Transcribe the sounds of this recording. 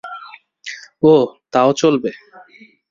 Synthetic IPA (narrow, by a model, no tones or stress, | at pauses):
ot̪aot͡ɕolbe